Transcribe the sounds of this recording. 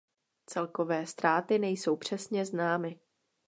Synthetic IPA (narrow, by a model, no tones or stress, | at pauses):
t͡sɛlko̞vɛːst̪ɾaːt̪ɪnɛjso̞wpr̥ɛsɲɛznaːmɪ